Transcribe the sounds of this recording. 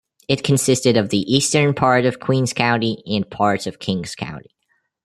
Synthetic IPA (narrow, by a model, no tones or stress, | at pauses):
ɨt̚kʰɨ̃n̩sɪstɨɾʌvðiʔistə̃˞npʰɑɹɾʌv̥kʰw̥ĩnz̥kʰãʊ̃ntiɨ̃npʰɑɹtsʌv̥kʰɪ̃ŋz̥kʰã̰ʊ̃nti